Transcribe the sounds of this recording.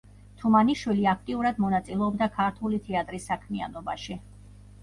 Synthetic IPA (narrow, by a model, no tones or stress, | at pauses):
t̪ʰumaniʃwiliak̚ʰt̪ʼiuɾad̪mɔnat̪sʼilɛɔbd̪akʰaɾt̪ʰulit̪ʰɛat̪ʼɾisːakʰmia̰nɔbaʃi